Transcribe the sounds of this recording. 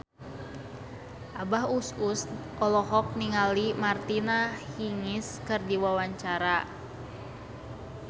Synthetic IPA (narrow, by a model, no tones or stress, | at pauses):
ʔabaɦususʔɔlɔɦɔk̚niŋalimart̪inahiŋɪskɨrdiwawaɲt͡ʃaɾa